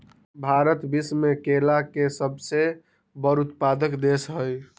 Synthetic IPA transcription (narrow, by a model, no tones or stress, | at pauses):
bʱaɾət̪bismekelakesəbse | bəɾut̪pad̪əkd̪esɦəj